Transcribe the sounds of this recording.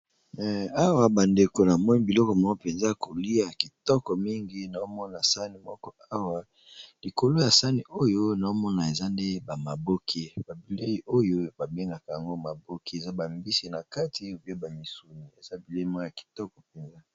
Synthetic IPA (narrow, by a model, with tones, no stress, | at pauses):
ɛ˨a˦wa˨ba˨nde˨ko˨na˨mɔ˦ni˦bi˨lɔ˦kɔ˨mɔ˨ŋɡo˦pe˨nza˦˨ko˨li˦a˨ki˨tɔ˦kɔ˨mi˦ŋɡi˦na˨o˦mɔ˦na˨sa˦ni˨mɔ˦kɔ˦a˦wa˨ | li˨ko˨lo˦ja˨sa˦ni˨o˦jo˦na˨o˦mɔ˦na˨e˨za˦nde˦ba˨ma˨bo˦kʰe˦ba˨bi˨le˦ji˦o˦jo˦ba˨be˦ŋɡa˨ka˨ja˨ŋɡo˦ma˨bo˦ki˦e˨za˦ba˨mbi˦si˨na˨ka˦tʰi˨o˨pi˦a˦ba˨mi˨su˨ni˨e˨za˦˨bi˨le˦i˦ma˦˨ja˨ki̥˨tɔ˦kɔ˨pe˨nza˦